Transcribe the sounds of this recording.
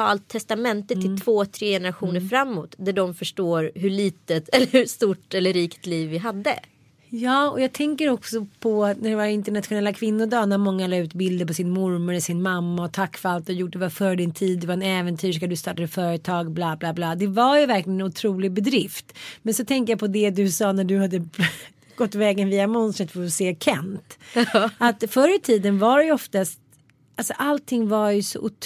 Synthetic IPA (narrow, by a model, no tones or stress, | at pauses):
ɑ̰ːlt̪ʰːɛst̪amɛnt̪ət̪ʰɪlt̪ʰvoːt̪ʰɾeːjɛnəɾaɧuːnəɾfɾamːuːt̪d̪æɖɔmfœʂʈoːɾɦɵɭiːt̪ət̪ɛlːəhʉst̪uʈːɛlːəɾiːkt̪liːvːɪɦad̪ːə̰ | jɑːɔjɑːɡ̚t̪ʰɛŋkəɾɔksɔpʰɔnæɖɛvaɾɪnt̪əɳat̪ɧʊnɛlːakʰvɪnːʊd̪ɑːnːæɾmɔŋːalɑːʉ̟ːt̪bɪld̪əɾpɔsɪnmʊɾmœɾɛsɪnmamːaɔt̪ʰakːfœɾalt̪ɔjʊʈ̚d̪ɛvaɾfœːɾəɖ̪ɪnt̪ʰiːd̪̚ːɛvaɾɛnɛːvɛnt̪ʰyːʂkad̪ɵst̪ɑːʈad̪əfœːɾət̪ʰɑːɡblɑːblɑːblɑːd̪ɛvaɾjɵvæɾklɪənɛnʊt̪ʰɾuːlɪɡbɛd̪ɾɪft̪mɛnsɔt̪ʰɛŋkəjapʰɔd̪ɛd̪ɵsɑːnæɖɵhad̪ːə | ɡ̥ɔt̪ːvɛːɡənviːamɔnst̪ɾət̪fɔɾɔseːkʰɛ̰nt̪ | at̪fœɾət̪ʰiːd̪ənvaɾɛjɔft̪ast̪ | ʔalsɔʔalt̪ʰɪŋːvaɾjɵsɔ̰ʔʊt̪